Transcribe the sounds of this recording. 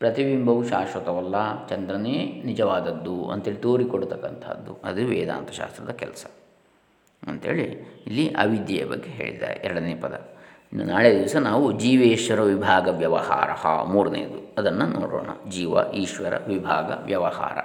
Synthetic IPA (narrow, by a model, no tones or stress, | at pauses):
pɾɐt̪iʋimbʱɐʋuʃaːʃʋɐt̪ɐʋɐlːɐt͡ʃɐnd̪ɾɐnenid͡ʒɐʋaːd̪ɐd̪ːuɐ̰nt̪ɦeːɭit̪oːɾikoɽut̪ɐkːɐnt̪ʰɐɐ̰d̪ːuɐd̪uʋɛ̰ːd̪a̰ːnt̪ɐ̥ʃa̰ːst̪ɾɐd̪ɐkɛlɐsɐ̥ | ɐnt̪e̞ːɭiilːiʔɐ̰ʋid̪jɐjɐbɐ̰ɡːeɦe̞̰ːɭit̪a̰ːɾeɛɾɐɽɐneːpɐd̪ɐ̰ | naːɭed̪iʋɐsɐnaːʋud͡ʒiːʋeːʃʋɐɾɐʋibʱaːɡɐʋjɐʋɐ̰ha̰ːɾɐ̰hɐ̰muːɾɐnḛːɐd̪uɐd̪ɐnːɐnʔo̰ːɽo̰ːɳɐ̰d͡ʒiːʋɐ̰ʔiːʃʋɐɾɐ̰ʋibʱaːɡɐ̰ʋjɐʋɐha̰ːɾɐ̰